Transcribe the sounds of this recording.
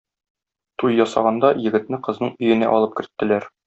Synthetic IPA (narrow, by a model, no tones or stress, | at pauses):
t̪ulʲˠjɒsɑ̰ʁɑnd̪ɑjɘ̆ɡɘ̆t̪̚nɘqɤ̆znɤɴɵ̆jɘ̆næ̰ʔɒlˠɤp̚kɘ̆ɾt̪ːɘ̆læɾ